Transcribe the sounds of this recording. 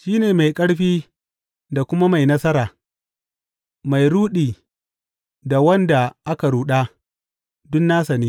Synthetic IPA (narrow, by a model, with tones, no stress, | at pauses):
ʃiː˦neː˨ma˨jkʼɐ˦ɽɸiː˦ | da˨kʷʊ˦ma˦ma˨jnɐ˦sɐ˦ɾaː˨ | ma˨jɽuː˦ɗiː˨ | da˨wɐ˦nda˨ʔa˦ka˨ɽuː˦ɗaː˦ | dʊ˦nːaː˦sa˨niː˦